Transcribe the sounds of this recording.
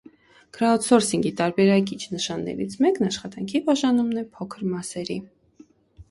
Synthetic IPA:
kɾaɔt̪sɔɾsiŋɡit̪ɑɾbɛɾɑk̬it͡ʃʰnəʃɑnːɛ̰ɾḭt͡sʰmɛknɑʃχɑt̪ɑŋkʰibɑʒɑnumnɛpʰɔkʰəɾmɑsɛɾi

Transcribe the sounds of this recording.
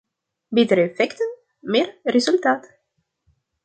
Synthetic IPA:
bɪt̪əɾəɛfɛkt̪ən | meːɾrezʉlt̪aːt̪

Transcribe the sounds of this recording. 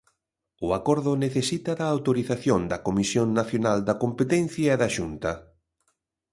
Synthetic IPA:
ʊakɔɾðʊneθesit̪ɐðɐːwt̪oɾiθaθjond̪ɐkomisjoŋnaθjonald̪ɐkompet̪ɛn̟θjɐɛðɐʃunt̪ɐ

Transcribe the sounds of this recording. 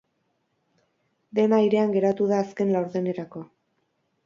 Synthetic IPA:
d̪e̞naiɾe̞aŋɡe̞ɾat̪uðaːske̞nlawɾðene̞ɾako̞

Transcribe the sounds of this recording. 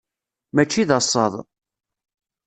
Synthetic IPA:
mæt͡ʃːiðɑsˤːə̰ðˤ

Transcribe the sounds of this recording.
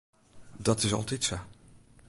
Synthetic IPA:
dɑtɪsɑ̰lˠtɛtso

